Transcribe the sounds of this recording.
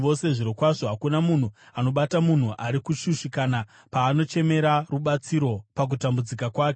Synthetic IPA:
o̞se̞ʐiɾokwaʐo̞ɦakunamun̤uano̞ɓatamun̤uʔaɾikuʃuʃikana | paːno̞t͡ʃe̞me̞ɾaruɓat͡siɾo̞pak̬utambud͡zikakwaːke

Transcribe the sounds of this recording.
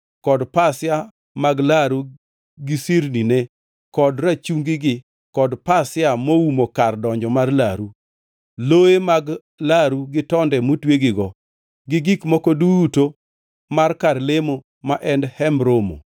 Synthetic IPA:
kɔdpasɪa | maɡlaɾu | ɡɪsiɾninɛ | kɔdɾat͡ʃuŋɡɪɡɪ | kɔdpasɪamoumokardɔɲd͡ʒɔmarlaɾu | loemaɡ | laɾuɡɪtɔndɛmotweɡɪɡɔ | ɡɪɡikmokoduto | markarlemo | maʔɛndhɛmɾomo̰

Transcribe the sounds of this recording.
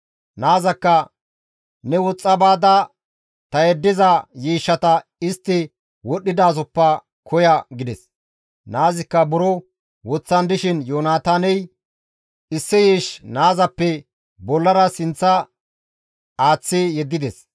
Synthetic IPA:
naːzɐkːɐ | nɛwɔt͡sʼːɐbaːd̪ɐ | t̪ɐjɛd̪ːɪzɐjiːʃːɐt̪ɐɪst̪ːɪ | wɔɗːɪd̪aːzɔpːɐ | kʰɔjɐɡɪd̪ɛs | naːzɪkːɐbʊɾɔ | wɔt͡sːɐnd̪ɪʃɪnjoːnaːt̪aːnɛj | ɪsːɪjiːʃnaːzɐpːɛ | bɔlːɐɾɐsɪnt͡sːɐ | aːt͡sːɪjɛd̪ːɪd̪ɛs

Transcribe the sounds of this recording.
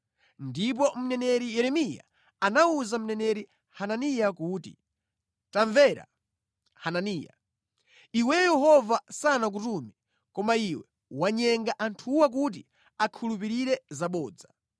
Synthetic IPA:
ndip̬ɔm̩nɛnɛɾijɛɾɛmija̰ | anauzam̩nɛnɛɾi | hananijakuːtḭ | taɱvɛɾa̰ | hananiːja̰ | iwɛjɛhɔvasanak̬utumi | kɔmaiwɛ | waɲɛŋɡaʔantʰuwak̬ut̬i | akʰulup̬iɾiɾɛzaɓɔːd͡za

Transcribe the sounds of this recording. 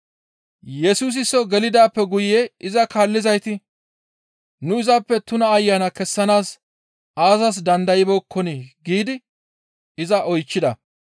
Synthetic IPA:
jɛsuːs̬ɪsɔɡɛlɪd̪aːpːɛɡʊjeɪzɐkaːlːɪzɐjt̪ɪ | nʊɪzɐpːɛt̪ʊnɐːjːɐnɐkɛsːɐnaːs | aːzɐs̬d̪ɐnd̪ɐjɪbokːɔniɡiːd̪ɪ | ɪzɐʔɔjt͡ʃːɪd̪ɐ

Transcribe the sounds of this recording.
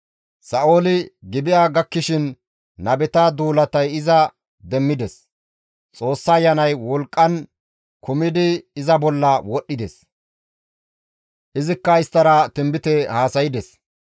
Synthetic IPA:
sɐʔoːlɪɡɪbɪjaːɡɐkːɪʃɪnː | ɐbɛt̪ɐd̪uːlɐt̪ɐjɪzɐ | d̪ɛmːɪd̪ɛs | t͡sʼo̞ːsːɐːjːɐnɐjwɔlkʼːɐn | kʊmɪd̪ɪːzɐbɔlːɐwɔɗːɪd̪ɛs | ʔɪzɪkːɐɪst̪ːɐɾɐt̪ɪmbɪt̪ɛhaːsɐjɪd̪ɛs

